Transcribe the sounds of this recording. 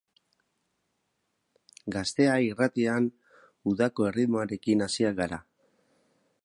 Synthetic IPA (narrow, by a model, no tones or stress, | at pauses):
ɡast̪e̞airat̪ian | uðako̞e̞riðmoaɾe̞kinasiaɡaɾa